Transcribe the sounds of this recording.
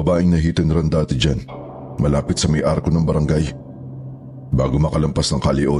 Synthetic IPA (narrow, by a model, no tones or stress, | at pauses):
ɐbaːʔɪŋnɐɦiːt̪ɐnɾɐnd̪aːt̪ɪd͡ʒan | mɐlaːpɪt̪sɐmɐjʔaɾkonɐŋbɐɾɐŋɡaj | baːɡomɐkɐlɐmpasnɐŋkɐlɪʔo